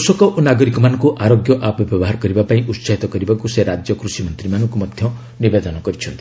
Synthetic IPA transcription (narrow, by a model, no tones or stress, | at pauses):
usɔkɔʔunaɡɔɾikɔmanɔ̃ŋkuʔaɾoɡjɔʔapɔbjɔbɔɦaɾɔkɔɾibapaĩʔut̪saɦit̪ɔkɔɾibakuseɾad͡ʒjɔkɾusimɔnt̪ɾimanɔ̃ŋkumɔd̪ʱjɔ | nibed̪ɔnɔkɔɾit͡ʃʰɔnt̪i̥